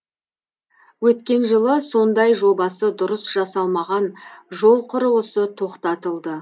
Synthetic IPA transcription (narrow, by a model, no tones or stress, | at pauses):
wɵt̪kʲe̞nʒəlˠəso̞nd̪ɑjʒo̞bɑsəd̪ʊɾəsʒ̥ɑsɑlˠmɑʁɑnʒo̞lˠqʰʊɾəwəsət̪ʰo̞qt̪ɑt̪əlˠd̪ə